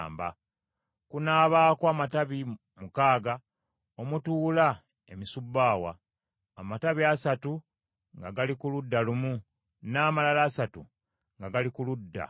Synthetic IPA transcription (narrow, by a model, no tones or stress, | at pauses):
mba̰ | kunaːβaːkwamataβi | mukaːɡa | omutuːla | e̞misubːaːwa̰ː | mataβiasatu | ŋɡaɡalikuludːalumu | naːmalalaːsatu | ŋɡaɡalikuludːa̰